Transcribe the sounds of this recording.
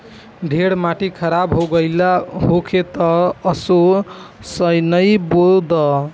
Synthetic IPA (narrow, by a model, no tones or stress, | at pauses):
ɖʱeɽmaʈikʰʌɾabɦoɡʌjlaɦokʰet̪ʌːso | sʌjnʌjbold̪ʌ